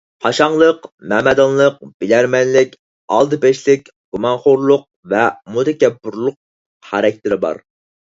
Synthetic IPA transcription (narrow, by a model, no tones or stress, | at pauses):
hɑʃɑŋlˠəqmɛmɛd̪ɑnlˠəq̚b̥ɪlæɾmɛnlɪkʲ | ɑ̰lˠd̪ɨpɛʃlɪkʲ | ɡ̥umɑnχoɾlˠʊq̚vɛmut̪ɪkʲɛbʊɾlˠʊq̚ | χæɾɛk̚ʲt̪ʰɪɾɪbɑ̰ɾ